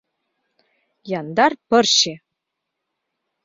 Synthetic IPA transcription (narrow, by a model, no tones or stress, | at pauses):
jɑnd̪ɑrpɤ̆rɕe